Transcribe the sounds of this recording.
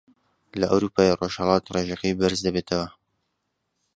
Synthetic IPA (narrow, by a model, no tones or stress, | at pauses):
lɐʔɐ̰wɾuːpʰɑːjeroʒhɛlˠɑːt̪reʒɛqibɪɾzd̪ɐbeːt̪ʰɐwɐ